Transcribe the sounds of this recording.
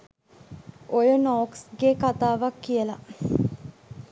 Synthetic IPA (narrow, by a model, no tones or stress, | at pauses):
ʔojənoːksɡekat̪aːʋakːijəla